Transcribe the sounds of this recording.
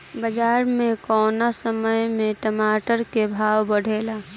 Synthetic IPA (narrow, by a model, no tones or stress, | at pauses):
bəd͡ʒaːɾmẽkɔːnasəməjmẽʈəmaːʈəɾkebʱaːwbəɽ̤ʱeːla